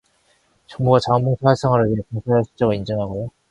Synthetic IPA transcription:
t͡ɕʌŋbuɡat͡ɕaʌmːuŋsʰawes͈ʌŋaɾɯɭeepaŋsʰaesʰi̥t͡ɕ͈ʌɡɯind͡ʑʌŋɦaɡojo

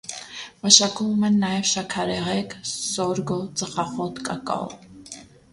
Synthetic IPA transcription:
maʃakʰumumɛnːajɛvʃakʰaɾɛʁɛksɔɾɡɔt͡sʼəχaχɔt̪kʼakʼa̰w

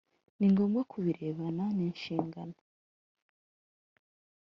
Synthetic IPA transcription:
niŋɡo̞ːmɡakʰuβiɾe̞ːβananiːnʃiːŋɡa̰no

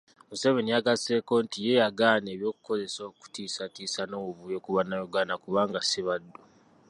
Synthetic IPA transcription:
museβenijaɡase̞ːko̞ːntije̞jaɡaːneːβjo̞ːku̥ko̞ze̞so̞ku̥tiːsatiːsano̞ːwuβujokuβanːajoɡaːnakuβaːŋɡasiβadːo

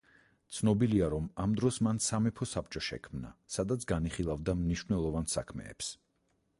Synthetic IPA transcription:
t̪sʰnɔbiliaɾɔmamd̪ɾɔsmansamɛpʰɔsapt͡ʃʼɔʃɛ̰kʰmna̰sad̪at̪sʰɡaniχilˠavd̪amniʃnɛlˠɔvansakʰmɛ̰ːps

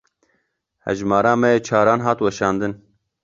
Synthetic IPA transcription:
hɛ̰ʒmɑːɾaːmɛjeːt͡ʃʰaːɾaːnɦaːt̪wɛʃɑːnd̪ɨn

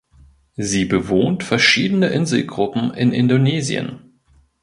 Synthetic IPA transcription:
ziːbəvoːntfɛɐʃiːdənəʔɪnzl̩ɡʁʊpm̩ʔɪ̰nʔɪndoneːzj̰ə̰n

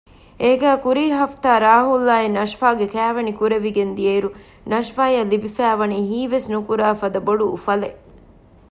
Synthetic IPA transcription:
eːɡæːkuɾiːɦɐft̪aːɾaːɦulːaːenɐʃfaːɡekæːʋɐnikuɾeʋiɡend̪ijeːɾu | nɐʃfaːjɐlːibifæːʋɐniːɦiːʋesnukuɾaːfɐd̪ɐboɖṵːfɐle

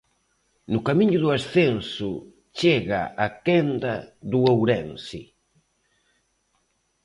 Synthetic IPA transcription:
nʊkamiɲʊðʊasθensʊ | t͡ʃeɣa̰ʔakend̪ɐðʊowɾɛnsɪ̰

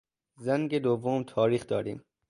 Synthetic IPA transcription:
zæŋɡed̪ovːomt̪ʰɒːɾiːxd̪ɒːɾḭːm

